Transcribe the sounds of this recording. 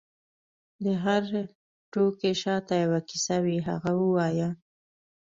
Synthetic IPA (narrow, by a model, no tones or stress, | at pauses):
d̪əɦaɾ | ʈokeʃɑt̪ajawakisawiɦa̰ɣawəwɑja